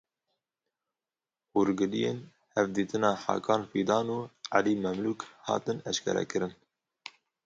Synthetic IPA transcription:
huɾɡɨlijeːn | hɛvd̪iːt̪ɨnɑːħɑ̰ːkʰɑːnfiːd̪ɑːnuːʕaliːmɛmluːkhɑ̰ːt̪ɨnɛʃkʰɛ̰ɾɛ̰kɨɾɨn

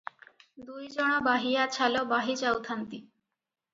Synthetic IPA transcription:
d̪ujd͡ʑɔɽ̃ɔbaɦijat͡ɕʰalɔbaɦit͡ɕawt̪ʰant̪i

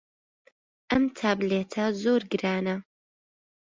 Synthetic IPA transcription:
ʔɐmt̪ʰaːbleːt̪ʰɐzoːɾɡɨɾaːnɐ

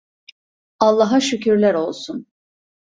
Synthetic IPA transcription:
alˠːaɦaʃycʰyɾlʲæɾo̞lˠsun

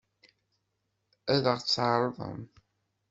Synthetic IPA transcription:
æðəʁt͡sːʕɑɾˤðˤə̰m

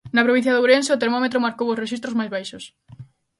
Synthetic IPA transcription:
nɐpɾoβĩn̟θjɐðowɾenseot̪eɾmomet̪ɾomaɾkowosreʃist̪ɾozmajzβajʃos

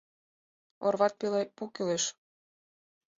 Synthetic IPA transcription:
o̰rβɑt̪̚pilepukileʃ

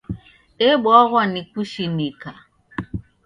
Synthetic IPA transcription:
ɛɓwaɣwanikuʃinika

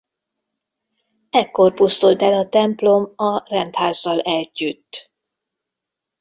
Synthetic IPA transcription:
ɛkːo̞rpust̪ult̪ɛlɒt̪ɛmplo̞mɒrɛnt̪haːzːɒlɛɟːyt̪ː

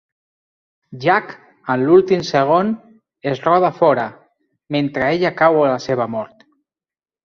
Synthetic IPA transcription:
ʒak | ənlulˠt̪imseɣ̞on | ezrɔð̞afɔɾə | ment̪ɾəeʎakawələseβ̞əmɔɾt̪

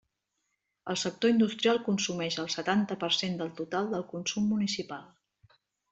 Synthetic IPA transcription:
əlˠsək̚t̪oind̪ust̪ɾialˠkunsumɛʃəlˠsət̪ant̪əpərsend̪əlˠt̪ut̪alˠd̪əlˠkunsumːunisipalˠ

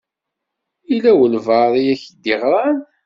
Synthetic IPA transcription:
ilæwəlvɑɾˤijæçd̪iʁɾˤɑn

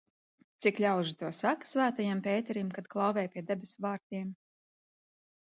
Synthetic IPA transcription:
t̪siklʲawʒit̪uɔsakḁsvæːt̪ajampʲɛːjt̪ɛɾimkat̪klˠawvʲɛːjpʲiɛd̪ɛbʲɛsvaːɾt̪ʲiɛm

